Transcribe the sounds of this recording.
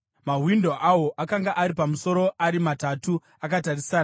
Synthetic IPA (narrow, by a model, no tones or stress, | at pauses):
maɦwindo̞ʔawo̞ʔakaŋɡaʔaɾipamuso̞ɾo̞ʔaɾimatatu | akatarisaːna